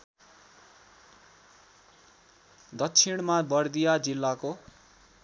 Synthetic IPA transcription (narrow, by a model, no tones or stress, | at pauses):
d̪ʌtːt͡sʰiɽ̃mabʌrd̪ijad͡zilːako